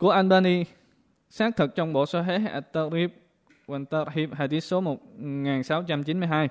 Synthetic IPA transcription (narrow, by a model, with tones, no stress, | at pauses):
ku˧˩əʔa˧nɓaː˧ni˧ | saː˦˥k̚t̪ʰɨ˨˩k̚t͡ɕɔ˧wŋ͡mɓo̰˧˨so˧ɦe˦˥˨ʔa˨˩t̪ːa˧ɾi˧˥p̚ | wa˧˩nt̪a˧ɾhi˧˥p̚ɦaː˨˩t̪i˨˦˥t̚so˨˦mo˨˩t̚ŋaː˨˩nsa˨˦wt͡ɕa˧mt͡ɕi˨˦nmɨ˧jɦaː˧j